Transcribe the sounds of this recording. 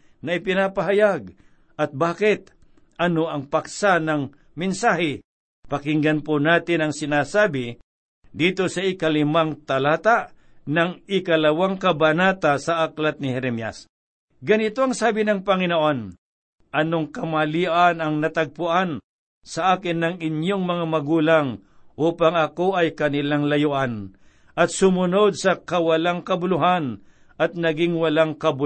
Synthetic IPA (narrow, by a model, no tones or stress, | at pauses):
nɐɪpɪnaːpɐɦajaɡ̚ | ʔɐt̪̚baːkɪt̪̚ | ʔɐnoɐŋpak̚sanɐŋ | mɪnsaːhɪ | pɐkɪŋɡanponaːt̪ɪnɐŋsɪnaːsaːbɪ | d̪iːt̪osɐʔɪkɐlɪmaŋt̪ɐlaːt̪a | nɐŋɪkɐlɐwaŋkɐbɐnat̪asɐʔaklat̪̚nɪhɛɾɛmja̰s | ɡɐnɪt̪oɐŋsaːbɪnɐŋpɐŋɪnoʔo̞n | ʔɐnoŋkɐmaliːʔanɐŋnɐt̪ɐɡ̚pʊʔan | sɐʔaːkɪnːɐŋɪnjoŋmɐŋamɐɡuːlaŋ | ʔuːpaŋɐko̞ʔɐjkɐnɪlaŋlɐjʊʔan | ʔɐt̪̚sʊmʊno̞d̪̚sɐkɐwɐlaŋkɐbʊlʊɦan | ʔɐt̪̚nɐɡɪŋwɐlaŋkɐbʊ